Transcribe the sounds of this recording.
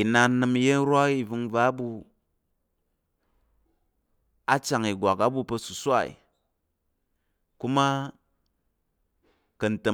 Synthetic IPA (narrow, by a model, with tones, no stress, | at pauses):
i˨na˧˦nɨ˧m˦je˦n̩˦ɾʷa˦i˦˧vu˧ŋva˦bu˧ | a˦t͡ʃa˨ŋi˨ɡʷa˨ka˦bu˦˧pɐ˧su˨sʷa˦˨ḭ˨ | ku˦ma˦ | kɐ˨n̩˨tɐ˨